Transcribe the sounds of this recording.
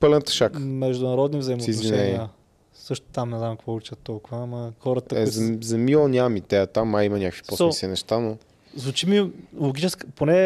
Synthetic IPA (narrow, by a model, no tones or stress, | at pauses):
pəlɛnt̪ə̥ʃakmɛʒd̪ʊnɐɾɔd̪nivzɐjimost̪ɛizvviʃnɛɛniə | sɤʃt̪ʊ̥t̪amnɛznamkvɔt͡ʃʲət̪ːɔlˠkʊvəːmɐxɔɾət̪əkɛzzɐmilˠənʲamit̪ɛət̪amɐimɐnʲakəkvi̥p̪ɔsɔsinɛʃt̪ano | zvʊt͡ʃimilˠoɡit͡ʃɛskəponɛ